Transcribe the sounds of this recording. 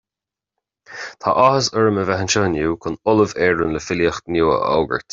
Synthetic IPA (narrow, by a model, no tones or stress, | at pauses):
t̪ʰa̰ʔɔhəsəɹəməvɛɦənt͡ʃəːnjuːkʰʊnʊləvɛːɹənləfɪljəxt̪njuːə̰ʔɔ̰ːɡə̰ɹt̪